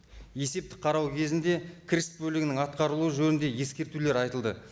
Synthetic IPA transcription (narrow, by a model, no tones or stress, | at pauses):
je̞se̞p̚t̪ɪ̥qʰɑɾɑwkʲʰe̞zɪnd̪e̞kʲʰɾʲɪst̪̚bɵlɪɡʲɪnɪŋɑt̪qɑɾəlˠuəʒɵnɪnd̪e̞je̞skʲe̞ɾt̪ule̞ɾɑjt̪əlˠd̪ə